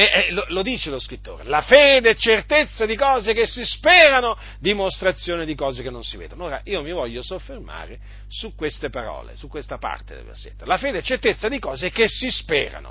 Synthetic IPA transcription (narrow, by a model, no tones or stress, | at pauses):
ɛlolod̪iːt͡ʃeloskɾit̪ːo̰ːɾelafeːd̪eɛt͡ʃːert̪et̪sːad̪ikɔːzekesːispɛːɾano | d̪imost̪ɾat̪sːjoːned̪ikɔːzekenːõnsivḛːd̪onoːɾaʔiːomivɔʎːosofːerma̰ːɾe | sukːwest̪epaɾɔ̰ːlḛsukːwest̪apa̰rt̪ḛd̪ḛlvḛrsḛt̪ːelafeːd̪eɛt͡ʃːert̪et̪sːad̪ikɔːzekesispḛːɾa̰no̰